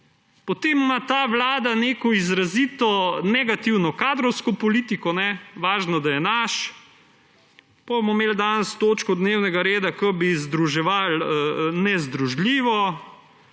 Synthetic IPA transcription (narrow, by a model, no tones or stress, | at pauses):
pɔt̪emːat̪aːʋlaːd̪aneːkɔizɾaziːt̪ɔnɛɡat̪iwnɔkaːd̪ɾɔwskɔpɔliːt̪ikɔnɛʋaːʒnɔd̪ajɛnaʃ | pabmɔmeːld̪anst̪oːt͡ʃkɔd̪neːwnɛɡaɾeːd̪akəbizd̪ɾuʒɛʋalənɛzd̪ɾuʒlʲiːʋɔ